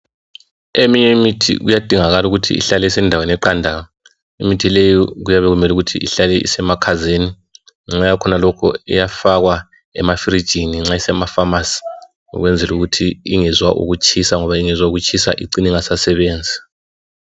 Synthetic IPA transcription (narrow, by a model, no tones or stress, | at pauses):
emiɲɛmitʰḭɣujad̥ʱiŋaɣaluɣutʰḭːɬalɛisɛndʱawenɛǃandʱaɣa | imitʰilejiɣujaβɛɣumɛluɣutʰiʔiɬalɛʔḭsɛmakʰazeni | ŋ͡ǁajakʰɔnalɔkʰɔ̰ɛ̰jafaɣwa | ɛ̰mafiɾid̥ʒ̥ʱiniŋ͡ǁaisɛmafamasi̥ | ŋɔ̰ɣwɛnd͡zʱɛluɣutʰiiŋɛzwaʔṵɣut͡ʃʰʼisaŋɔβaiŋɛzwauɣut͡ʃʰʼisa̰ʔḭǀiniŋasasɛβeːnd͡zʱi